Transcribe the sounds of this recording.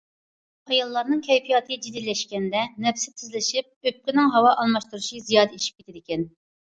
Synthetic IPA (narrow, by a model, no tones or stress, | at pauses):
ɑjɑlˠːɑɾnɨŋkʲʰɛjpʰijɑt̪ʰɨd͡ʒid̪ilːɛʃkʲɛnd̪ɛnɛpsɪt̪ʰɪzlɪʃip̚øp̚kʲɪnɪŋɦɑwɑʔɑlˠmɑʃt̪uɾuʃizijɑːd̪ɛiʃi̥p̚kʰʲe̥t̪ʰɪd̪ɪkʲʰɛn